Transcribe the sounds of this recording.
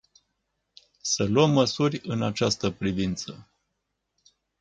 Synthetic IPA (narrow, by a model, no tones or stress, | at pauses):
səluəmːəsurʲɨnat͡ʃast̪əpɾivint̪sə̰